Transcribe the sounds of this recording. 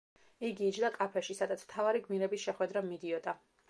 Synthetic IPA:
iɡiːd͡ʒd̪akʼapʰɛʃisad̪at̪sʰm̥t̪ʰavaɾiɡmiɾɛbisʃɛχwɛd̪ɾamid̪iɔd̪a

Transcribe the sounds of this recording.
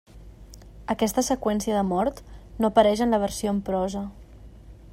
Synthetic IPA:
əkɛst̪əsəkwɛnsiəðəmɔɾt̪nopəɾɛʒənləβəɾsioəmpɾɔzə

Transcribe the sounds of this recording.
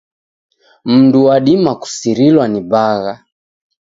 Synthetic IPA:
m̩nduwaɗimaku̥siɾilwanibaɣa

